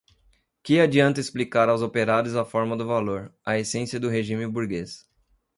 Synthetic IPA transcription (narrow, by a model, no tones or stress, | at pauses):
kɪad͡ʒiɐ̃nt̪ɐesplikaɾawzopeɾad̪ʊzɐfɔɾmɐd̪ʊvaloɾɐesẽsiɐd̪ʊɦeʒĩmɪbuɾɡes